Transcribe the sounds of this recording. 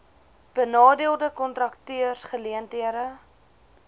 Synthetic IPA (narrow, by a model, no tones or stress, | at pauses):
b̥ənɑːdiəlˠdəkɔntrɐktyərsχəliəntiəɾə